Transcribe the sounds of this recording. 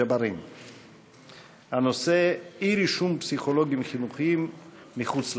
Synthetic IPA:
abaɾim | hanose̞iɾiʃumpsiχoloɡimχinuχiimː | iχut͡sl

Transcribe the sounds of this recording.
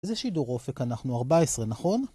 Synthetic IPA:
ezeʃidoʁo̞fe̞kanaχnuaʁbaesʁenaχo̞n

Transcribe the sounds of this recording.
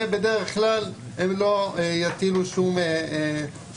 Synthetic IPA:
bed̪eʁeχklal | emlojat̪iluʃume

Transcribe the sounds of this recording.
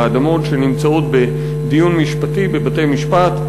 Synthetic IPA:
ad̪amo̞tʃenimt͡saot̪be | d̪ijunmiʃpatibebate̞jmiʃpat̪

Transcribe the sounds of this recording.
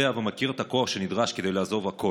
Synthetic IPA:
eavemakiʁet̪ako̞aχʃe̞nid̪ʁaʃkede̞jlaːzo̞vhako

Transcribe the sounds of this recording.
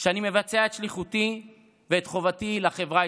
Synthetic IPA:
ʃeanime̞vat͡seaet̪ʃliχut̪i | veːt̪χo̞vatilaχe̞vʁa

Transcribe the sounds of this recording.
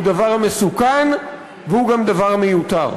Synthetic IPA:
ud̪avaʁamesukan | vehuɡamd̪avaʁamejut̪a̰ʁ

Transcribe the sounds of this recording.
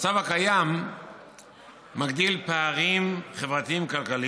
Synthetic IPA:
t͡savakajam | aɡd̪ilpaaʁimχevʁat̪iimkalkali

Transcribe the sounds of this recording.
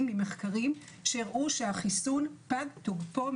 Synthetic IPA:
mːimeχkaʁim | ʃeʁʔuʃe̞haχisunpadtuɡpom

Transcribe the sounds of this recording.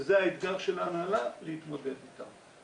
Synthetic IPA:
zeaet̪ɡaʁʃelanalavleit̪mo̞d̪ed̪it̪a̰m

